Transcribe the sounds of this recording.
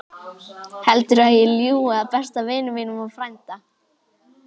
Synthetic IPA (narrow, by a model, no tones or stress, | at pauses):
hɛlt̪ʏɾaðjɛljuːaaðpɛst̪avɪːnʏmɪnʏmaðfɾajnt̪a